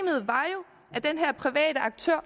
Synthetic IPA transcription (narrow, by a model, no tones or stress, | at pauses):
mð̞̩ˠʋɑ̈jo̝ | æɐd̥enɦæɐ̰pʰʁiʋɛ̰ːd̥əɑ̈ɡ̥̚t͡sʰøɐ̰